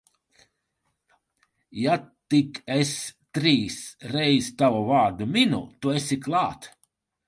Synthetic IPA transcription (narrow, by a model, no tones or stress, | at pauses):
jat̪ikest̪ɾiːsɾɛjzt̪avɔvaːɾd̪umʲinṵt̪uesiklˠaːt̪